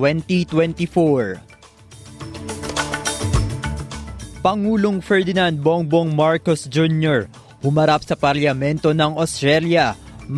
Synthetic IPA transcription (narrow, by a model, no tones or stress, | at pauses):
wɛnt̪it̪wɛnt̪ifoɹ | pɐŋuːloŋfɛɹd̪ɪnand̪̚boŋboŋmaɹkosd͡ʒunjoɹ | hʊmɐɾap̚sɐpɐɾljɐmɛnt̪o̞nɐŋost̪ɾɛljɐm